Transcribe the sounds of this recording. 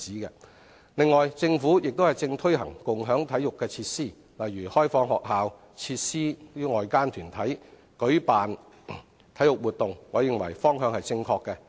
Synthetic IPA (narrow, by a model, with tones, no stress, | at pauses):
t͡siː˨˥kɛ̰ː˧ | lɪ˨ŋːɔː˨jt͡sɪ˧ŋfuː˨˥jɪ˨k̚t̪o˥whɐ˨jt͡sɪ˧ŋt̪ʰɵ˥ɥhɐ̰˨˩ŋkʊ˨ŋɦœː˨˥ŋt̪ʰɐ˨˥jʊ˨kːɛː˧t͡sʰiː˧˥t̚siː˥˩ | lɐ˨jːyː˨˩hɔː˥jfɔː˨˧ŋɦɔː˨k̚ɦaː˨w | t͡sʰiː˧t̚siː˥yː˥ŋɔː˨jkaː˥nt̪ʰyː˨˩nt̪ʰɐ˨˥j | kɵ˨˥ɥpaː˨n | t̪ʰɐ˨˥jʊ˨k̚wuː˨t̚t̪ʊ˨ŋːɔː˨˧jɪ˨ŋwɐ̰˨˩jfɔː˥ŋɦœː˨˧ŋhɐ˨jt͡sɪ˧ŋkʰɔː˧kːɛ˧